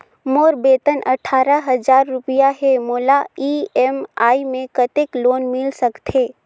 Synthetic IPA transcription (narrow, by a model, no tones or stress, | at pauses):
moːɾbeːt̪ənʔɐʈʰaːɾəɦɐzaːɾːʊpɪjaɦemoːlaiːɛmaːimẽkət̪ekloːnmɪlsəkt̪ʰɦeː